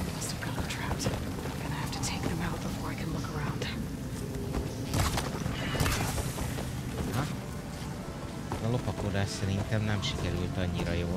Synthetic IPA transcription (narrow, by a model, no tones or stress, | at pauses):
mɪstə˞kʰɛlˠətʰɹ̥az̃ | ɡʌnɨhæftɨtʰeɪk̚ðɨ̃maʊt̚b̥əfɔɹaɪkʰɨ̃nlʊkʰə˞ãʊ̃nd̥ | nɒ | zɒlopɒkoːd̪aːʃsɛɾint̪ɛmnɛmʃikɛɾylt̪ɒɲːiɾɒjoː